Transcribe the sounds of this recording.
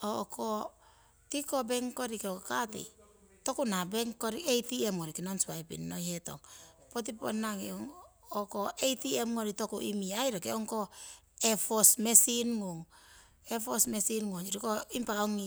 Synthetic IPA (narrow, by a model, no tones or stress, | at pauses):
ɔkɔ | tikɔbɛŋkɔɾikkatḭ | tɔkunabɛŋkɔɾiejtiɛmŋɔɾikinɔnsuaipḭnːɔjhɛtɔ̰ŋpɔt̬ipɔ̰nːaŋeɔŋ | ɔkɔʔetiɛmŋɔɾitɔkṵʔḭmiaiɾɔkeɔŋkɔ | ɛfɔsmɛsinŋuŋ | ɛfɔsmɛsinŋoɲiɾikɔimpaɔŋi